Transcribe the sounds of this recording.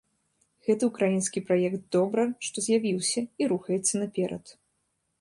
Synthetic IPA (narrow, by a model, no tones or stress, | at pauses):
ɣɛt̪ɨukɾajinskʲipɾajɛkt̪̚d̪ɔbɾɨʂt̪ɔzʲjavʲiwsʲɐiɾuxɐjɛt̪sːɐnapʲɛɾʔɐ̰t̪